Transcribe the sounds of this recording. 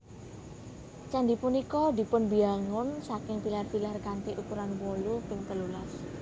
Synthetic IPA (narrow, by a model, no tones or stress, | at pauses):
t͡ʃand̪ipunikɔd̪i̤pʊnbiaŋʊnsakɪŋpilarfilarɡant̪eʔukuɾanwolupɪŋt̪əlulas